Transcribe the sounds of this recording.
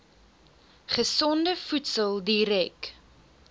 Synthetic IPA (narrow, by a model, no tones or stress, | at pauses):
χəsɔndəfutsəlˠdiɾɛk